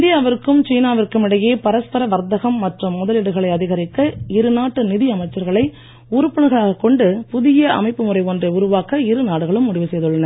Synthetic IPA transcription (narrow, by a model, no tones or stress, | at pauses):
ɪnd̪ɪjaːʋɪɾkːɯmt͡ʃiːnaːʋɪrkɯmɪɽɐjeːpɐɾɐspɐɾɐʋɐɾt̪ɐɣɐmːɐʈrɯmːʊðɐlɪɽɯɣɐɭɐɪɐðɪɣɐɾɪkːɐɪɾɯnaːʈːɯnɪðɪɐmɐɪt͡ʃːɐɾɣɐɭɐɪ | uːɾɯpːɐɳɯɣɐɭaːɣɐkːɔɳɖɯpʊðɪjɐʔɐ̰mɐɪpːɯmʊrɐɪɔndreʊɾʊʋaːkːɐɪɾɯnaːɽɯɣɐɭɯmːʊɽɪʋɯsɛjðɯɭːɐnɐɾ